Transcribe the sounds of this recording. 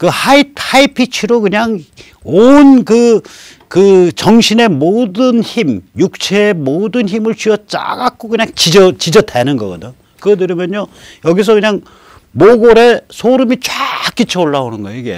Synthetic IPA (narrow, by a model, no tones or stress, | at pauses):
kɯhaitʰhaipʰit͡ɕʰiɾokɯɲaŋ | onkɯ | kɯt͡ɕʌŋɕʰine̞modɯnçimjuk̚t͡ɕʰeemodɯnçimɯɭt͡ɕiʌt͡ɕ͈a̰ɡak͈okɯɲaŋt͡ɕid͡ʑʌt͡ɕid͡ʑʌtʰenɯnɡʌɡʌdo | kɯɡʌdɯɾimjʌnojʌɡis̬ʰʌkɯɲaŋ | moɡoɾe̞sʰoɾɯmit͡ɕwak͈ːit͡ɕʰʌoɭːaonɯnɡʌjeiɡe̞̰